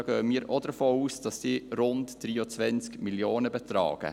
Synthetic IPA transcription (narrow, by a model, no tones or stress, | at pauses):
ɡ̥øːəmiːɾod̥əɾfoːuːsd̥ɑsdiːɾʊntd̥ɾiːɔt͡sʋɛnt͡skmiljoːnəbɛt̪ɾɑ̰ːɡ̥ə̰